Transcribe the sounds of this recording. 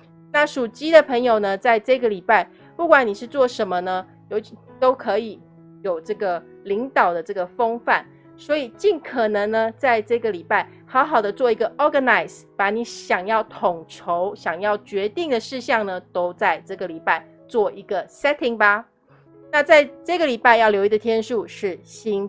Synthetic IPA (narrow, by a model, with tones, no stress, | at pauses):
na˥˩ʂu˨˩t͡ɕi˥d̪ə˨pʰə˧˥ŋjo˨˩ʊnə˩t͡sa˥˧ɪʈ͡ʂɤ˥˩ɡə˩li˨˩pa˥˩ɪ | pu˥˩kwa˨˦ni˨˩ʂɻ̩˥˧t͡swɔ˥˩ʂə˧˥nmə˧nə˧ | jo˧˩ʊt̪o˥ʊkʰɤ˧˥i˨˩˦ | jo˨˩ʊʈ͡ʂɤ˥˩ɡə˩ | li˧˥ŋt̪ɑ˨˩ʊd̪ə˦ʈ͡ʂɤ˥˩ɡə˩fɤ˥ŋfa̰˥˩n | swɔ˧˥i˨˩t͡ɕi˥˩nkʰə˨˩nə˧˥ŋnə˧t͡sa˥˧ɪʈ͡ʂɤ˥˩ɡə˨li˨˩pa˥˩ɪ | xɑ˧˥ʊxɑ˨˩ʊd̪ə˦t͡swɔ˥˩i˧˥ɡə˧ʔɔ˥ɡə˨na˨˩ɪs | pa˨˩ni˧˥ɕjɑ˨˩ŋjɑ˥˩ʊt̪ʰʊ˨˩ŋʈ͡ʂʰo˧˦ʊɕjɑ˨˩ŋjɑ˥˩ʊt͡ɕɥɛ˧˥t̪i˥˩ŋd̪ə˩ʂɻ̩˥˧ɕjɑ˥˩ŋnə˩t̪o˥ʊt͡sa˥˧ɪʈ͡ʂɤ˥˩ɡə˩li˨˩pa˥˩ɪ | t͡swɔ˥˩i˧˥ɡə˨sɛ˥t̪ʰi˨˩ŋba˧ | na˥˧t͡sa˥˧ɪʈ͡ʂɤ˥˩ɡə˩li˨˩pa˥ɪjɑ˥˩ʊljo˧˥ʊi˧˥d̪ə˧t̪ʰjɛ˥nʂu˥˧ʂɻ̩˥˩ɕi˥n